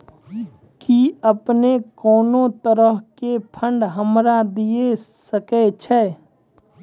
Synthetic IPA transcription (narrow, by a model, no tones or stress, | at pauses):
kiəpnekɔːnõt̪əɾəɦkepʰə̃ɳɖɦəmɾad̪ijesəket͡ʃʰɛː